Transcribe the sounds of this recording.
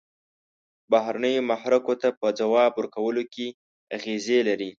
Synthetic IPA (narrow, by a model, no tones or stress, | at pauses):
baɦɾanəjomahɾakot̪apəd͡zawɑbwəɾkawəloke | aɣezelaɾi